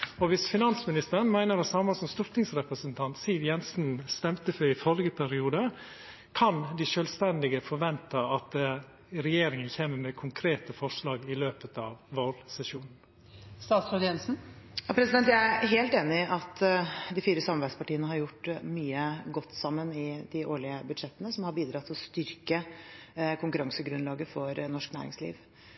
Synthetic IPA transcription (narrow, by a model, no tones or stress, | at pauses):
ɔʋɪsfɪnɑnsmɪnɪst̪əɾənmæɪnəɾɑsɑmːɑsɔmst̪ʊɾt̪ʰɪŋsɾɛpɾəsənt̪ʰɑnt̪siːʋjɛnsn̩st̪ɛmt̪əfœɾɪfœlɡəpʰæɾɪuːd̪ə | kʰɑnd̪ɪʃœːlst̪ɛnd̪ɪɡəfɔɾʋɛnt̪əɑt̪̚d̪ | ɾɛjeːɾɪŋənçeːməɾmɛkʰʊŋkʰɾeːt̪əfɔʂlɑːɡɪløːpət̪ɑːʋʋolsɛsʃuːnn̩ | st̪ɑːt̪sɔd̪ɛnsn̩jɑpʰɾɛsɪd̪ɛnt̪jæɪæɾɦeːlt̪eːnɪʔɑt̪d̪ɪfiːɾəsɑmɑɾbæɪspɑʈiːənəhɑɾjʊʈːmyːəɡɔt̪ːsɑmːənɪd̪ɪʔoːɭɪəbʉd̪ʂɛt̪ːənəsɔmhɑɾbiːd̪ɾɑt̪ʰːɪlɔst̪ʏɾkə | kʰʊŋkʉɾɑŋsəɡɾʉnlɑːɡəfɔɾnɔʂknæ̰ːɾɪ̰ŋslḭːʋ